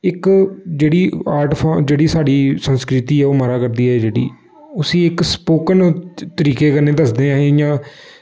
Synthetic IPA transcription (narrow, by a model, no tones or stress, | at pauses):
ɪkd͡ʒeːɽiːaːɾʈpʰãd͡ʒeːɽiːsaːɽiːsənskɾɪt̪iːɛːoːməɾaːkəɾd̪iːɛːd͡ʒeːɽḭː | ʊsĩːɪkspoːkənːt̪əɾiːkeːkəɾneːd̪əsd̪eːãːjãː